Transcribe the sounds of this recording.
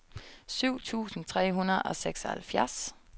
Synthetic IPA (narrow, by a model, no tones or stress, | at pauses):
syʊ̰t͡sʰṵːsn̩t͡sʰʁɛ̰ːɦunɐðˠɒ̽seɡ̥sɒhælfjæɐs